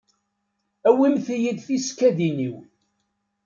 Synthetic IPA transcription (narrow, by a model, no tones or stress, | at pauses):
æwimθjid̪θiskæðiniw